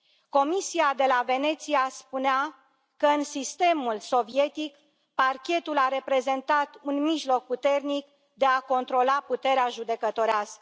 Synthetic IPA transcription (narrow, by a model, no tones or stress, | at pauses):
ko̞misiad̪e̞lave̞ne̞t̪siaspunea | kəɨnsist̪e̞mulso̞vie̞t̪ik | parkʲe̞t̪ulaɾe̞pɾe̞ze̞nt̪at̪unmiʒlo̞k̚put̪e̞rnik | d̪e̞ako̞nt̪ɾo̞laput̪e̞ɾeaʒud̪e̞kət̪o̞ɾeas